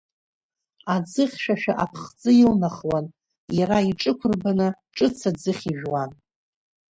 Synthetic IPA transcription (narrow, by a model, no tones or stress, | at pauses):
ad͡zɨχʲʃᶣaʃᶣa̰ʔapʰχt͡sʼɨilnaχwan | jaɾaiʈ͡ʂʼɨkʷʰʊrbanɨʈ͡ʂʼɨt͡sʰad͡zɨχʲiʒᶣwan